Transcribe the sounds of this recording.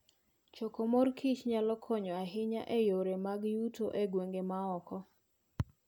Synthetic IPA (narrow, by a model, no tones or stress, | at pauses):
t͡ʃokomorkʰit͡ʃɲalɔkʰɔɲɔaɦɪɲa̰ʔejoɾemaɡjutʰoʔeɡweŋɡemaɔkɔ